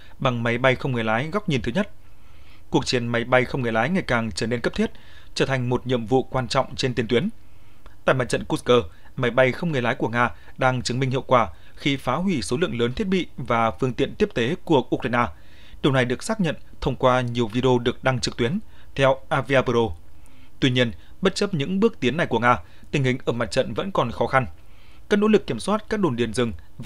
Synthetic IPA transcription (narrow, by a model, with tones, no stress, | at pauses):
ɓa˨˩ŋma˨˦jɓa˧jxə˧wŋ͡mŋɨ˨˩əjlaː˨˦jɣa˦˥wk͡p̚ɲi˨˩nt̪ʰɨ˨˦ɲə˦˥t̚ | ku˨˩ək̚t͡ɕi˨˦ənma˨˦jɓa˧jxə˧wŋ͡mŋɨ˨˩jlaː˨˦jŋa˨˩jkaː˨˩ŋt͡ɕəː˧˩ne˧nkə˦˥p̚t̪i˦˥t̚ | t͡ɕəː˧˩t̪ʰa˨˩ŋ̟mo˨˩t̚ɲḭ˧˨əmvṵ˧˨kwaː˧nt͡ɕɔ̰˧˨wŋ͡mt͡ɕe˧nt̪i˧nt̪wi˨˦ən | t̪a̰ː˧˨jma̰˨˧˩t͡ɕə̰˧˨nku˦˥kəː˧ | ma˨˦jɓa˧jxə˧wŋ͡mŋɨ˨˩əjlaː˨˦jku˧˩əŋaː˧ | ɗaː˧ŋt͡ɕɨ˨˦ŋmi˧ŋ̟hḭ˧˨əwkwaː˧˩ | xi˧faː˨˦ɦwi˧˩so˨˦lɨ̰˧˨əŋləː˨˦nt̪ʰi˦˥t̚ɓḭ˧˨vaː˨˩fɨ˧əŋt̪ḭ˧˨ənt̪i˦˥əp̚t̪e˨˦ku˧˩əʔu˧k̚ɾa˧jnaː˧ | ɗi˨˩əwna˨˩jɗɨ˨˩ək̚saː˦˥k̚ɲə̰˧˨nt̪ʰə˧wŋ͡mkwaː˧ɲi˨˩əwvi˧ɗe˧o˧ɗɨ˨˩ək̚ɗa˧ŋt͡ɕɨ˨˩k̚t̪wi˨˦ən | t̪ʰɛ˧wʔaː˧vi˧aː˧pə˧zo˧ | t̪wi˧ɲi˧ən | ɓə˦˥t̚t͡ɕə˦˥p̚ɲɨ̰˧˥ŋɓɨ˦˥ək̚t̪i˨˦ənːa˨˩jku˧˩əŋaː˧ | t̪ï˨˩ŋ̟hï˨˩ŋ̟ʔəː˧˩ma˨˩t̚t͡ɕə̰˧˨nvə̰˧˥nkɔ˨˩nxɔ˨˦xa˧n | kaː˦˥no̰˧˥lɨ˨˩kːi˧˩əmswaː˦˥t̚kaː˦˥k̚ɗo˧˩nɗi˧˩ənzɨ˨˩əŋ